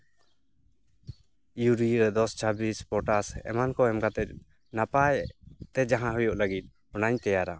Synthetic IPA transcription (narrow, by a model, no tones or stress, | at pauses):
juɾiɾəd̪ɔst͡ʃʰabispɔʈasɛ̰mankɔɛmkat̪ɛt̪̚ | napajt̪ɛd͡ʒaɦãɦujɔʔləɡit̪̚ | ɔnaɲt̪ɛjaɾa